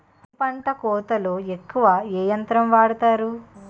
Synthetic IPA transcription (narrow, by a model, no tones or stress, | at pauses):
pɐɳʈɐkɔːt̪ɐloːekːuʋɐeːjɐnt̪ɾɐmʋaːɽut̪aːɾu